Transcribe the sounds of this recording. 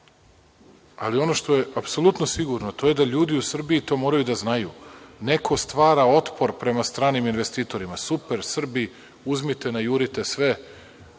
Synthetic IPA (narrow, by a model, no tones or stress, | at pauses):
a̰lio̞no̞ʃt̪o̞je̞ʔapso̞lˠut̪nosiɡuɾno̞t̪o̞je̞d̪aʎuːd̪iusr̩biit̪o̞mo̞ːɾajud̪aznajṵne̞kʰo̞st̪ʋaːɾao̞t̪po̞ɾpɾe̞mast̪ɾaːniminʋest̪iːt̪o̞ɾimasupe̞ɾsr̩bi | uzmit̪e̞najuɾit̪e̞sʋe